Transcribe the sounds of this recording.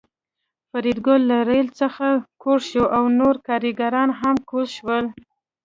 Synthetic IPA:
faɾid̪ɡʊlːaɾelt͡səxakʰoɽʃoʔawnoɾkɑɾiɡaɾɑnɦamkolʃwəl

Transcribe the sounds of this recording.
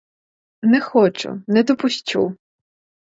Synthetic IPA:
nɛxɔt͡ʃʊ̰nɛd̪ɔpʊsʲt͡ʃʲṵ

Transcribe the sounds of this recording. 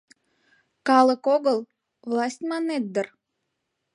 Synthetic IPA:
kɑlˠəkoɣəlˠ | vlˠɑsʲtʲmɑnet̪̚d̪ər

